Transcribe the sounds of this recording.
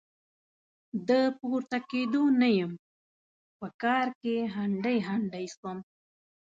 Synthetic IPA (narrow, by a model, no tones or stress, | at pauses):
d̪əpuɾt̪aked̪onajəm | pəkɑɾkeɦaɳɖəjɦaɳɖəjst̪om